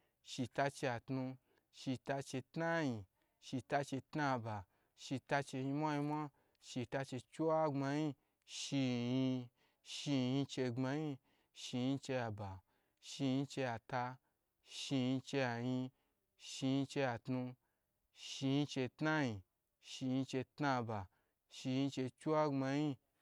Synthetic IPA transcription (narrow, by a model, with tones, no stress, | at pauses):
ʃi˧ta˧t͡ʃe˧ja˨tnũ˧ | ʃi˧ta˧t͡ʃe˧tna˦ji˧ | ʃi˧ta˧t͡ʃe˧tna˦˧ba˨ | ʃi˧ta˧t͡ʃe˧ji˧mʷa˦ji˧mʷa˦ | ʃi˧ta˧t͡ʃe˧t͡ʃu˦wa˦ŋ͡ma˧ji˧ | ʃi˧ji˧ | ʃi˧ji˧t͡ʃe˧ɡ͡ba˧ji˧ | ʃi˧ji˧t͡ʃe˧ja˧ba˨ | ʃi˧jĩ˧t͡ʃe˧ja˧ta˧ | ʃi˧ji˧t͡ʃe˧ja˧jĩ˧ | ʃi˧ji˧t͡ʃe˧ja˧tnu˧ | ʃi˧ji˧t͡ʃe˧tna˦ji˧ | ʃi˧ji˧t͡ʃe˧tna˧ba˨ | ʃi˧jĩ˧t͡ʃe˧t͡ʃu˦wa˦ŋ͡ma˧ji˧